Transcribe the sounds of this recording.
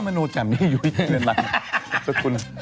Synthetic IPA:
ma˧nuː˧t͡ɕa˨˩mniː˦˥˨juː˨˩i˨˩kʰi˦˩nɯ˧nla˨˧˩sa˧˩kʰu˧n

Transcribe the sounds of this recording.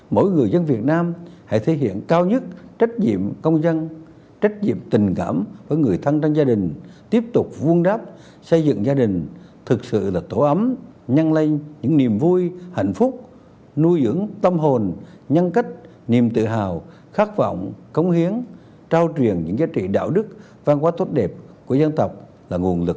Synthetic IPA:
mo̰˧˥˦jŋɨ˨˩əjzə˧nvi˨˩ət̚naː˧mha̰˧˥jt̪ʰe˨˦ɦḭ˧˨ənkaː˧wɲɨ˦˥t̚t͡ɕa˦˥t̚ɲḭ˧˨əmkə˧wŋ͡mzə˧n | t͡ɕa˦˥t̚ɲḭ˧˨əmt̪ï˨˩ŋ̟kaː˧˩mvəː˨˦jŋɨ˨˩əjt̪ʰa˧ŋt͡ɕa˧ŋzaː˧ɗï˨˩ŋ̟t̪i˦˥əp̚t̪ʊ˨˩k͡p̚vu˧ənɗaː˦˥p̚ | sə˧jzɨ̰˧˨ŋzaː˧ɗï˨˩ŋ̟t̪ʰɨ˨˩k̚sɨ̰˧˨laː˨˩t̪o˧˩˦ʔə˨˦m | ɲa˧nla˧jŋɲɨ̰˧˥ŋni˨˩əmvu˧jha̰˧˨jŋ̟fʊ˦˥k͡p̚ | nu˧jzɨ̰˧˥əŋt̪ə˧mɦo˨˩n | ɲa˧nka˦˥jt̚ | ni˨˩əmt̪ɨ̰˧˨ɦaː˨˩w | xaː˦˥k̚vɔ̰˧˨wŋ͡mkə˨˦wŋ͡mhi˨˦ən | t͡ɕaː˧wt͡ɕwi˨˩ənɲɨ̰˧˥ŋzaː˨˦t͡ɕḭ˧˨ɗa̰ː˧˨wɗɨ˦˥k̚ | vaː˧ŋkwaː˨˦t̪ʰwt̚ɗɛ˨˩p̚ku˧˩əzə˧nt̪ə˨˩wk͡p̚ | laː˨˩ŋu˨˩ənlɨ˨˩k̚

